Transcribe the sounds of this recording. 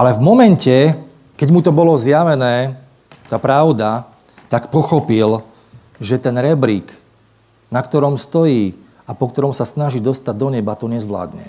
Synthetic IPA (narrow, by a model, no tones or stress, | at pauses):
ʔalɛvmɔmɛncɛ | kɛɟmut̪ɔbɔlɔzjaʋɛnɛː | t̪aːpɾaʊd̪a | t̪akpɔxɔpil | ʒɛt̪ɛnɾɛbɾik | nakt̪ɔɾɔmst̪ɔjiː | apɔk̚t̪ɔɾɔmsasnaʒiːd̪ɔst̪aɟ̚d̪ɔɲɛbat̪ɔɲɛzʋla̰ːd̪ɲɛ̰